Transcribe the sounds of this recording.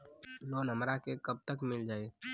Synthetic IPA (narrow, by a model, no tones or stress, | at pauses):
lonəmɾakekəb̚t̪əkmɪld͡ʒaːe